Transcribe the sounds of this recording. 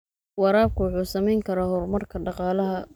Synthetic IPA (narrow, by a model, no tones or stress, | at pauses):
wɑɾaːb̚kʰʊwɑħuːsɐmɛjŋkʰɐɾaːhɔrmɐrkʰɐɖɑqɑːlɐɦɐ